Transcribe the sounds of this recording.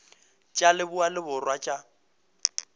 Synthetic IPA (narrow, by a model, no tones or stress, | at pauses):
t͡ʃʼalɪbʊalɪbʊrwat͡ʃʼa